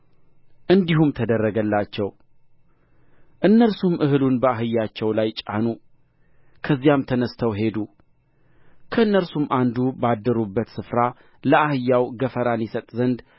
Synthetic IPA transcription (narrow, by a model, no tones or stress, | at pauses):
ʔɨnd̪ihumt̪ʰəd̪ərːəɡəlːat͡ʃːɛw | ʔɨnːəlsumʔɨɦɨlunbəaɦɨjːat͡ʃːɛwlajt͡ʃʼa̰nu | kʰəzːijamt̪ʰənəst̪ʰəwɦe̞d̪u | kʰəɨnːəlsumʔand̪ubad̪ːəɾubːət̪sɨfɾa | ləahɨjːawɡəfəɾanjɛsət̪ʼzənd̪